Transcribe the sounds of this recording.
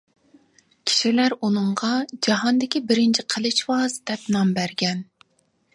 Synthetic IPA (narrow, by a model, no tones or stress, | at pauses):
kʲʰi̥ʃilæɾunɨɴʁɑd͡ʒɑɦɑnd̪ɪkʲibɪɾɪnt͡ʃʰiqʰəlˠɨt͡ʃwɑzd̪ɛpnɑmbæɾɡʲɛn